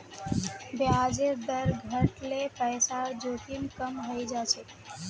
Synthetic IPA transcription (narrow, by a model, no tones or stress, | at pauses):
bjad͡ʒed̪əɾɡʱəʈlepəɪsad͡ʒot̪inkəmɦəjd͡ʒat͡ʃʰɛ